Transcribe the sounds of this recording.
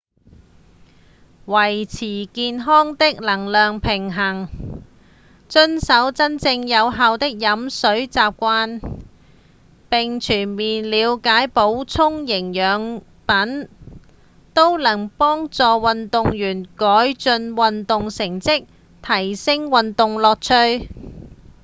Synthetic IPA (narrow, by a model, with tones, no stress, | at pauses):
wɐ˨˩jt͡sʰiː˨˩kiː˧nɦɔː˥ŋt̪ɪ˥k̚lɐ˨˩ŋlœː˨ŋpʰɪ˨˩ŋɦɐ˨˩ŋ | t͡ʃɵ˥nsɐ˨˥wt͡sɐ˥nt͡sɪ˧ŋjɐ˨˧wɦaː˨˧wt̪ɪ˥k̚jɐ˨˥msɵ˨˥ɥt͡saː˧p̚kʷaː˥n | pɪ˨ŋt͡ʃʰyː˨˩nmiː˨˩nliː˨˧wkaː˨˥jpo˨˥wt͡sʰʊ˥ŋjɪ˨˩ŋjœː˨˧ŋ | pɐ˨˥n | t̪o˥wlɐ˨˩ŋpɔː˥ŋt͡sɔː˨wɐ˨nt̪ʊ˨˧ŋjyː˨˩nkɔː˨˥jt͡ʃɵ˧nwɐ˨nt̪ʊ˨ŋsɪ˨˩ŋt͡sɪ˥k̚ | t̪ʰɐ˨˩jsɪ˥ŋwɐ˨nt̪ʊ˨˧ŋlɔː˨k̚t͡ʃʰɵ˥ɥ